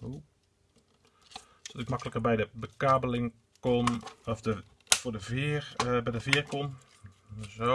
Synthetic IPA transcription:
hu | d̥ɔtɪkmakələkərbɛjdəbəkaːbəlɪŋ | konɔfdə | fodəv | bɛjdəfɪːrkon | zo

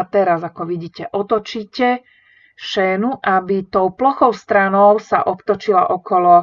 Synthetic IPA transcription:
t̪ɛɾazakɔʋiɟiːcɛʔɔt̪ɔt͡ʃiːcɛ | ʃɛːnuʔabit̪ɔʊplɔxɔʊst̪ɾanɔʊsaʔɔpt̪ɔt͡ʃilaʔɔkɔlɔ

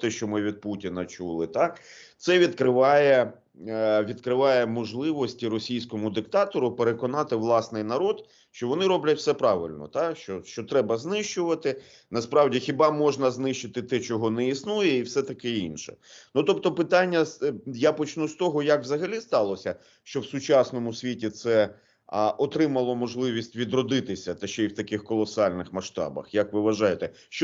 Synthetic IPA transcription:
t̪ɪʃt͡ʃɔmɪʋʲid̪̚putʲinɐt͡ʃṵlˠɪt̪ɑkt̪sɛʋʲid̪kɾɪʋɑjɛ | ʋʲid̪kɾɪʋɑjɛmɔʒlˠɪʋɔsʲtʲiɾɔsʲijsʲkɔmʊd̪ɪkt̪ɑt̪ɔɾʊpeɾekɔnɑt̪ɪʋlˠɑsnɪjnɐɾɔd̪ | ʃt͡ʃɔʋɔnɪɾɔblʲɐtʲfsɛpɾɑʋɪ̰lʲnɔ̰t̪ɑʃt͡ʃɔʃt͡ʃɔt̪ɾɛbɐznɪʃt͡ʃʊʋɐt̪ɪ | nɐspɾɑwdʲixʲɪbɑmɔʒnɐznɪʃt͡ʃɪt̪ɪt̪ɛt͡ʃɔɦɔnɛisnujɛiwsɛt̪ɐkɪinʃɛ̰nut̪ɔp̚t̪ɔpɪt̪anʲːɐjapɔt͡ʃnust̪ɔɦɔjɐkwzɐɦɐlʲist̪ɑlˠɔsʲɐ | ʃt͡ʃɔwsʊt͡ʃasnɔmʊsʲʋʲitʲit̪sɛ | ʔɔt̪ɾɪmɐlˠɔmɔʒlˠɪʋʲisʲtʲʋʲid̪ɾɔd̪ɪt̪ɪsʲɐt̪ɐʃt͡ʃɛiwt̪ɐkɪxkɔlˠɔsɑlʲnɪxmɐʃt̪ɑ̰bɐ̰xjɐkʋɪʋɐʒɑjet̪ɛ | ʃt͡ʃ

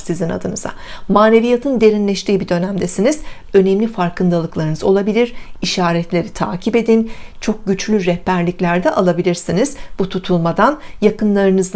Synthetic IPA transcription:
sizina̰d̪ɯnɯz̥a̰maːnʲe̞vijat̪ʰɯnd̪e̞ɾinlʲɛʃt̪iːbid̪ø̞næmd̪ɛsiniz̥ | ø̞nɛmlʲifaɾkʰɯnd̪alˠɯklˠaɾɯnɯzo̞lˠabilʲiɾiʃaːɾɛt̪lʲe̞ɾit̪ʰa̰ːcʰibe̞d̪int͡ʃʰo̞k̚ɟyt͡ʃlʲyɾɛhpæɾlʲiclʲæɾd̪ɛʔalˠabilʲiɾsinizb̥ut̪ʰut̪ʰulˠmad̪anjakɯnlˠaɾɯnɯzd̪

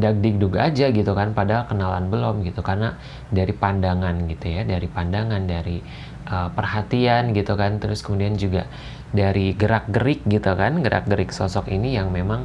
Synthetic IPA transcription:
dak̚dɪk̚duɡaːd͡ʒaɡit̪ukanpadakənala̰nbəlɔmɡit̪ukarna | daɾipandaŋanɡit̪ujadaɾipandaŋandaɾi | ʔəpərhat̪ianɡit̪ukant̪əɾʊskəmudiand͡ʒuɡa̰ | daɾiɡəɾak̚ɡəɾɪk̚ɡit̪ukanɡəɾʔa̰k̚ɡəɾɪksɔsɔkinijaŋmemaŋ

